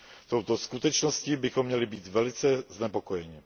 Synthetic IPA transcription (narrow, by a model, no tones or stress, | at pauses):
t̪owt̪o̞skut̪ɛt͡ʃnosciːbɪxomːɲɛlɪbiːt̪vɛlɪt͡sɛznɛpo̞ko̞jɛɲɪ